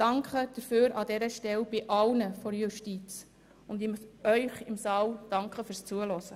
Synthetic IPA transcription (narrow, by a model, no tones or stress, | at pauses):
d̥ɑŋkʰχəd̥əɾføːɾʔɑdɛɾəʃtɛlb̥ɪʔɑlnəfɔɾjuʃtiːt͡s | ʊndɪmœʏχɪmsɑːld̥ɑŋkχəfyɾst͡suəlɔsə